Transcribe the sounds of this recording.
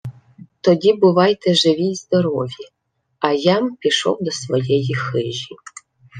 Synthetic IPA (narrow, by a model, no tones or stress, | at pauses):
t̪ɔdʲibʊʋɑjt̪ɛʒɪʋʲijzd̪ɔɾɔʋʲi | ɐjampʲiʃɔ̰wd̪ɔsʋɔjɛjixɪʒʲi